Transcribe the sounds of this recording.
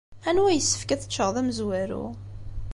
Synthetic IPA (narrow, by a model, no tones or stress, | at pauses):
ænwæjəsːə̥fkæθə̥t͡ʃːəʁðˤæməzwæɾṵ